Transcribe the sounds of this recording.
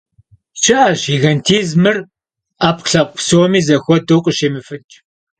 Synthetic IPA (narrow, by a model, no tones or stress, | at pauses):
t͡ʃʰʼɪʔaʒiːɣɐntʰiːzmɨr | aːpɬɐqʷpsoːmiːzɐxʷɔdowqʷʼəʃeːmɨfɨt͡ʃʼ